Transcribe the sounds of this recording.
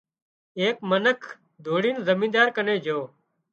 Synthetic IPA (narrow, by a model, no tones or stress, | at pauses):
eːkmənəkʰ | d̪ʱoːɽiːnzəmĩːd̪aːɾkəneːd͡ʒʱoː